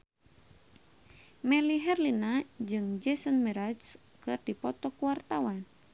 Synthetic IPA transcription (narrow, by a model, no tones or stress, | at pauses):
mɛliɦɛrlinad͡ʒɨŋd͡ʒɛsɔnmɛɾad͡ʒs | kɨrdipɔt̪ɔkuwart̪awan